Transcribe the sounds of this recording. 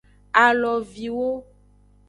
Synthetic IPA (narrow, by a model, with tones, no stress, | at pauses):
a˨lɔ˨vi˨wo˦